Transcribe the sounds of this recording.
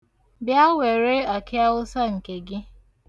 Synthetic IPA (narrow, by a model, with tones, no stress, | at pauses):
bja˦we˨ɾe˦a˨kɪ˦a˦ʊ˦sa˦ŋ̩˨ke˨ɡɪ˦